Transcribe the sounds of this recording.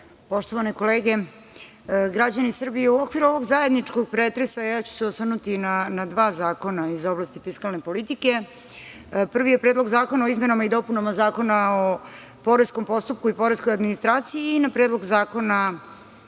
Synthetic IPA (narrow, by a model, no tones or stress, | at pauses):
po̞ʃt̪oʋaniko̞leːɡe̞ | ɡɾad͡ʑanisr̩bijeuokʋiɾuo̞ʋo̞ɡzaje̞d̪nit͡ʃko̞ɡ̚pɾeːt̪ɾesajaːt͡ɕu̥seosvərnut̪inanad̪ʋaːzaːko̞naizoblast̪ifiskalˠne̞po̞lit̪ike̞ | pr̩ʋijepɾed̪lˠoɡzaːko̞nao̞izme̞namaid̪o̞punamazaːko̞nao | po̞ɾesko̞mpo̞st̪up̚kuipo̞ɾeskojad̪minist̪ɾaːt̪sijiːnapɾed̪lˠo̞ɡzaːko̞na